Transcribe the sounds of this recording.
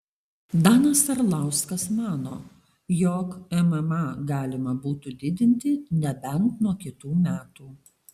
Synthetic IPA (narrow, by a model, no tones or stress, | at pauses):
d̪ɑːnɐsɐɾlˠɑˑʊskɐsmɑːno̰ː | jɔːkɛmɛmɑɡɑːlʲɪmɐbuːt̪uːd̪ʲɪd̪ʲɪnʲt̪ʲɪnʲɛbʲɛnt̪nuɔkʲɪt̪uːmʲæːt̪uː